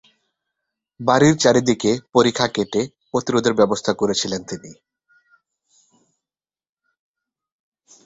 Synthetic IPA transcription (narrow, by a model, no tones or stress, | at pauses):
baɾiɾt͡ɕaɾid̪ikepoɾikʰːakeʈe | pɾot̪iɾod̪ʱeɾbɛbost̪ʰakoɾet͡ɕʰilent̪ini